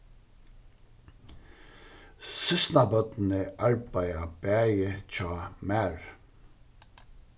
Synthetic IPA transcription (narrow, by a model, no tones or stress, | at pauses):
sɪst̪nabœt̪n̩əʔɑɹbæjabæːjət͡ʃʰɔːmæːɹ